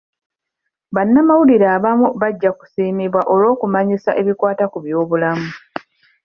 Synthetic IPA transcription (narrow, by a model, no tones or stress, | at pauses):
βanːamawuliɾaːβamuβaɟːaku̥siːmiβwaʔo̞lo̞ːkumaɲisaʔe̞βikwaːtakuβjo̞ːβulamu